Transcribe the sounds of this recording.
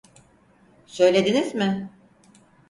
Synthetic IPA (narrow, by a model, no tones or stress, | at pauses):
sø̞jlʲe̞d̪inizmɪ